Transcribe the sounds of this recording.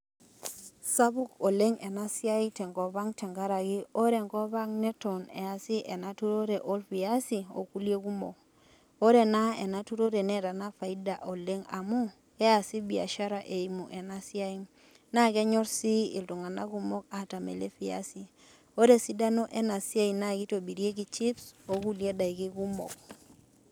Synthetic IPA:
sa˦βu˦ko˨le˦ŋɛ˨na˦si˦a˦itɛ˨ŋɡɔ˨βa˦ŋtɛ˨ŋɡa˦ɾa˨ɣɪ˦o˦ɾe˨ŋɡɔ˦βa˦ŋnɛ˦tɔ˨nɛ̰˨a˨si˦ʔɛ˨na˦tu˦ɾo˦ɾe˨ʔo˦lfi˨a˦si˨o̰˨ku˦lje˦ku˦mɔ̰˨k̚ | o˦ɾe˨na˦e˨na˦tu˦ɾo˦ɾe˨nɛ˦ɾa˨na˦fa˨i˦da˨ʔo˨le˦ŋa̰˨mu˦ | kɛ˦a˨si˦bi˨a̰˨ʃa˦ɾa˨ʔe˨i˨mu˨ʔe˨na˦si˦a˦i˦ | na˦ke˦ɲɔ˦ɾsi˦ḭ˨ltu˨ŋa˨na˦ku˦mɔ˦ka˨ta˨mḛ˨lḛ˦fi˦a̰˦si˨ | o˦ɾe˦si˦da˦no˦ʔe˦na˨si˦a˦i˨na˦ki˦to˨bi˨ɾje˦ki˨t͡ʃi˦pso˦ku˦lje˦da˨i˨ki˦ku˦mɔ̰˨k̚

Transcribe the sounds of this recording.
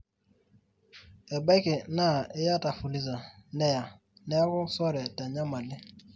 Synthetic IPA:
ɛ˨ba˦ɪ˦kɪ˨na˦˨ɪ˦ja˦ta˨fu˨li˨za˨nɛ˦ja˨ | nɛ˦ja˦kʊ˦sɔ˦ɾɛ˨ta˨ɲa˦ma˨lɪ˦

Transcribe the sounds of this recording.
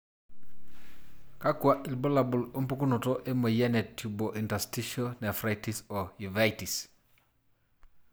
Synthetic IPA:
ka˦kwa˦ʔi˨lbo˦la˨bu˨lo˦mpu˦ku˦nu˨to˦ʔe˦mə˨jɛ˦nɛ˨tju˨boʔi˨nta˨sti˦ʃonɛ˨fɾa˦jtisɔ˨juva˦jtis

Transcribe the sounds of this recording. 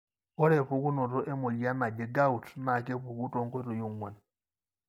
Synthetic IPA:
ɔ˦ɾe˨ɸo˨ku˦no˨to˦ʔe˦mo˨li˨˦a˦ma˨d͡ʒe˨ɡa˦u˨tma˨k̬e˦ɸu˨ku˦to˦ŋ˦ko˦to˨jo˦˨ŋwa˨n

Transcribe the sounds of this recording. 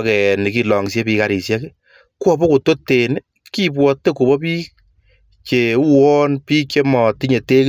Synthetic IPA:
kɛ˨ni˨ki˨lɔ˨ŋsje˦pi˧ka˨ɾi˨sja˦ke˦ | kwɔ˦˨bɔ˦ku˨to˦tːe˨n | ki˦pwɔ˨tːe˦ku˨bɔ˦piː˦k̚ | t͡ʃe˨u˦wɔ˦npiː˦kt͡ʃe˦mɔ˨ti˦ɲe˨te˦k

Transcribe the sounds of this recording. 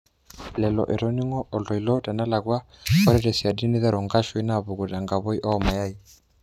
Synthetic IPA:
lɛ˨lɔ̰˨ʔɛ˨ɾɔ˦ni˦ŋɔ˦ʔɔ˨lɔ˨i˨lɔ˦ta˨na˦la˨ɡwa˦ | ɔ˦ɾɛ˦ɾɛ˨si˨a˨di˦ni˦ða˦ɾɔ˨ŋɡa˦ʃɔ˨˦i˦na˦˨βɔ˨ku˨ɾa˨ŋɡa˨βɔ˦i˦ʔɔ˦ma˨ja˦i˨

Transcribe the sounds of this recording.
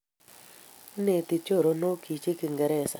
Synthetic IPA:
ne˨t̪ɪ˨t͡ʃo˦˨ɾo˨˦no˦kʰi˨t͡ʃe˦kɪ˨ŋɡɛ˨ɾɛ˦˨sa˨

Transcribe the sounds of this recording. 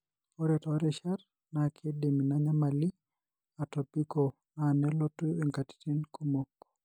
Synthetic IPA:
pɔ˦ɾɛtɔɾɛʃa˦r | nakʰe˦de˨mi˨na˨ɲa˦ma˨li˦ | a˨tɔ˨pi˦ko˨ | nanɛ˦lɔ˦tu˦e˨ŋka˨ti̥ti˦nku˦mo˨kː

